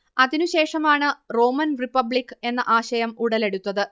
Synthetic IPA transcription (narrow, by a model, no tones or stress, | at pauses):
ɐðinuɕe̞ːʂɐmaːɳɨro̞ːmɐnripːɐbɭikːɨe̞nːɐʔaːɕɐjɐmuɽɐle̞ɽut̪ːɐðɨ